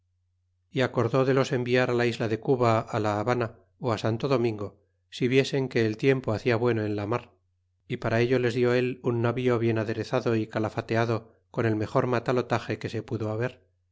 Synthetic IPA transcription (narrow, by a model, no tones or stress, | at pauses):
iako̞ɾðo̞ðe̞lo̞se̞mbiaɾalaizlaðe̞kuβaalaːβana | oasant̪o̞ðo̞mĩŋɡo̞ | siβje̞se̞ŋke̞ːlt̪je̞mpoaθiaβwe̞noe̞nlamaɾ | ipaɾae̞ʎo̞le̞zðjo̞e̞lunːaβio̞βje̞naðe̞ɾe̞θaðo̞ikalafat̪e̞aðo̞ | ko̞ne̞lme̞xo̞ɾmat̪alo̞t̪axe̞ke̞se̞puðo̞aβe̞ɾ